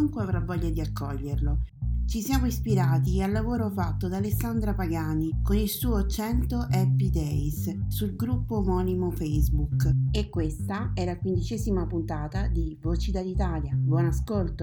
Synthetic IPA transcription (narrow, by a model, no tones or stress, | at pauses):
uŋkweavɾavːɔʎːad̪iakʰːɔʎːerlot͡ʃisjaːmoispiɾaːt̪ialːavoːɾofat̪ːod̪aːlesːand̪ɾapaɡaːnikonilsuːot͡ʃɛnt̪oʔɛpːid̪ɛsːulɡɾupːomɔːnimofɛjzbukekːwest̪aɛːɾakwind̪it͡ʃɛːzimapunt̪aːt̪ad̪ivoːt͡ʃid̪alit̪aːljabwɔnaskolt̪o